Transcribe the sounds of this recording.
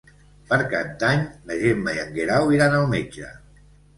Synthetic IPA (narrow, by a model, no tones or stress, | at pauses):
pəɾka̰nt̪aɲləʒemmajaŋɡeɾawiɾanəlˠmed͡ʒə̰